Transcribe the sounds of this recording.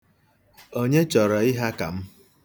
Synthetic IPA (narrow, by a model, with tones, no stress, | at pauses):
o˦ɲe˦t͡ʃɔ˨ɾɔ˨ɪ˦ɦa˦ka˨m̩˦